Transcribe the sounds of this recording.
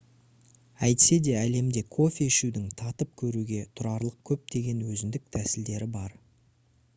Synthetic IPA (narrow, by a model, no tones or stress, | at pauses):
æjt̪ɪ̥se̞d̪e̞æle̞md̪e̞kʰo̞fʲeɪʃud̪ɪŋt̪ʰɑt̪əp̚kʲʰɵɾuɡʲe̞t̪ʰʊɾɑɾlˠəq̚kʲʰɵp̚d̪̥e̞ɡʲe̞nwɵzɪnd̪ɪk̚t̪ʰæsɪld̪e̞ɾɪbɑɾ